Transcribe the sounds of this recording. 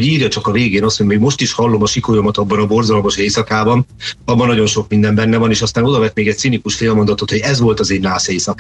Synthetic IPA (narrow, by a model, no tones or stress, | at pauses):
ɟiːrjɒt͡ʃɒkɒveːɡeːnɒst̪ʰho̞ɟmeːɡmo̞ʃt̪iʃhɒlːo̞mɒʃikojomɒt̪ɒbːɒnɒbo̞rzɒlmo̞ʃeːjsɒkaːbɒnɒbːɒnɒɟo̞nʃo̞kmind̪ɛmbɛnːɛvɒneːʃɒst̪aːno̞d̪ɒvɛt̪meːɡɛc̪̚sinikuʃfeːlmo̞nd̪ɒt̪o̞t̪ho̞ɟɛzvo̞lt̪ɒzeːnːaːseːsɒkː